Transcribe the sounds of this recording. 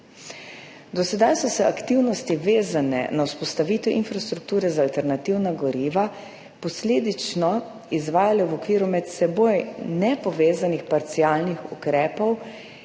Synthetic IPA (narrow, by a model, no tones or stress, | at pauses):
d̪ɔsɛd̪ajsɔsɛʔakt̪iwnɔst̪iʋeːzanɛ̰nawspɔst̪aʋiːt̪ɛʔinfɾast̪ɾuk̚t̪uːɾɛzaːlt̪ɛɾnat̪iwnaɡɔɾiːʋa | pɔsleːd̪it͡ʃnɔ | izʋaːjalɛwɔkʋiːɾumɛt̪sɛboːjnɛpɔʋeːzanixpaɾt̪siaːlnixukɾɛːpɔw